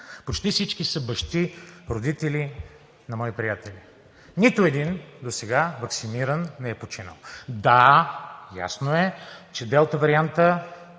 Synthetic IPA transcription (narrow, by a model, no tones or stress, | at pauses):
pot͡ʃt̪ifsit͡ʃkisəbɐʃt̪iɾod̪it̪ɛli | nɐmɔipɾijat̪ɛlʲi | nit̪oɛd̪ind̪osɛɡavɐksiniɾənːɛɛpot͡ʃinə̰lˠd̪a | ja̰snoɛt͡ʃɛd̪ɛlˠt̪əvɐɾiant̪ə